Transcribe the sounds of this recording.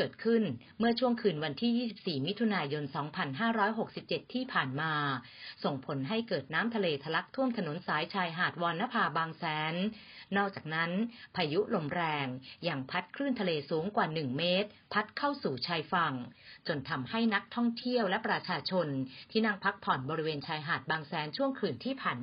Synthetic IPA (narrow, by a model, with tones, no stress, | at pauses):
kɤː˨˩t̪̚kʰɯ˥˩n | mɯ˥˩ɐt͡ɕʰu˥˩əŋkʰɯː˧nwa˧nt̪ʰiː˥˩jiː˥˩si˨˩p̚siː˨˩mi˦˥t̪ʰu˧naː˧jo˧nsɔː˩˦ŋpʰa˧nɦaː˥˩ɾɔː˦˥jɦo˨˩k̚si˨˩p̚t͡ɕe˨˩t̪ʰːiː˥˩pʰaː˨˩nmaː˧ | so˨˩ŋpʰo˩˦nɦa˥˩jkɤː˨˩t̪̚naː˦˥mt̪ʰa˧leː˧t̪ʰa˧la˦˥k̚t̪ʰu˥˩əmt̪ʰa˧no˩˦nsaː˩˦jt͡ɕʰaː˧jɦaː˨˩t̪̚wɔː˧nːa˦˥pʰaː˧baː˧ŋsɛː˩˦nː | ɔː˥˩k̚t͡ɕaː˨˩k̚na˦˥npʰaː˧ju˦˥lo˧˩mɾɛː˧ŋja˧ŋpʰa˦˥t̪̚kʰɾɯː˥˩nt̪ʰa˧leː˧suː˩˦ŋkwaː˨˩nɯ˨˩ŋmeː˦˥t̪̚pʰa˦˥t̪̚kʰa˥˩wsuː˨˩t͡ɕʰaː˧jfa˨˩ŋt͡ɕo˧nt̪ʰa˧mha˥˩jna˦˥k̚t̪ʰɔ˥˩ŋt̪ʰi˥˩əwlɛ˦˥pɾa˧t͡ɕʰaː˧t͡ɕʰo˧nt̪ʰiː˥˩na˥˩ŋpʰa˦˥k̚pʰɔ˨˩nbɔː˧ɾi˦˥weː˧nt͡ɕʰaː˧jɦaː˨˩t̪̚baː˧ŋsɛː˩˦nt͡ɕʰu˥˩əŋkʰɯː˨˩nt̪ʰiː˥˩pʰaː˨˩n